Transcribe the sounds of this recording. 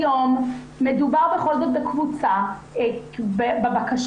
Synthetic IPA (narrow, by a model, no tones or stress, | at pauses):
jomː | edubaʁbeχo̞lzot̪̚bekvut͡sa | bbebakaʃ